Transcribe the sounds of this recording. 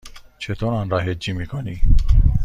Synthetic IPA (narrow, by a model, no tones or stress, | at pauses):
t͡ʃʰet̪ʰonɑːnɾɑɦed͡ʒimikʰoni